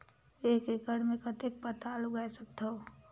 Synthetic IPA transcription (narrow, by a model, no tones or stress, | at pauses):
ekekəɽmẽkət̪ek̚pət̪aːluɡajsək̚t̪o